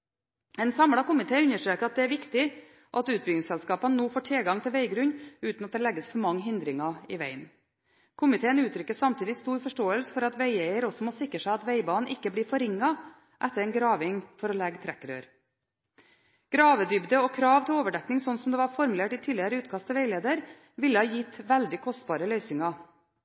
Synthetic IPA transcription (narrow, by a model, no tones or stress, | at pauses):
ɛnsɑmɽɑkʊmɪt̪ʰeːʉnːəʂʈɾeːkəɑt̪̚d̪ɛæɾʋɪkt̪ɪ | ʔɑt̪ʉːt̪̚bʏɡ̪ɪŋsɛlskɑːpənənoːfoːʈʰɪlɡɑŋt̪ʰɪlʋæɪɡɾʉɲʉːt̪nɑt̪̚d̪ɛlɛɡːəsfɔɾmɑŋːɦɪnd̪ɾɪŋɑɪʋæ̰ɪn | kʰʊmɪt̪ʰeːənʉːt̪ʰɾʏkːəssɑmt̪ʰiːd̪ɪst̪uːɾfɔʂʈoːəlsə̥fɔɾɑt̪ʋæɪæɪəɾɔsɔmosɪkːɾəʂæɪɑt̪ʋæɪbɑːnn̩ʔɪkːəbliːɾfɔɾɪŋːɑ | ʔɛt̪ːəɾɛɪnɡɾɑːʋɪŋfɔɾɔlɛɡt̪ʰɾɛkːɾø̰ːɾ | ɡ̥ɾɑːʋəd̪ʏbd̪əɔkʰɾɑːʋt̪ʰɪloːʋəɖɛknɪŋsɔnːsɔmd̪ɛʋɑɾfɔɾmʉleːʈɪt̪ʰiːlɪəɾəʉːt̪kʰɑst̪ʰːɛʋæɪleːd̪əɾ | ʋɪlːəhɑːjɪt̪ːʋæld̪ɪkʰɔst̪bɑːɾəlœʏsɪŋɑ